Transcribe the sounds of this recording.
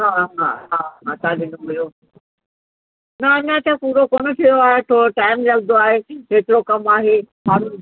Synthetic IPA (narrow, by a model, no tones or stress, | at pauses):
ɦaːɦaɦaːat̪ãɗɪnõɦʊjoː | nɐɐɲãt̪ʰãpuːɾokoːnə̆t̪ʰijoaːɦet̪ʰoːɾoʈaːɪmlɐɡnd̪oaːɦeɦeːt̪ɪɾokɐmaːɦeɦaːn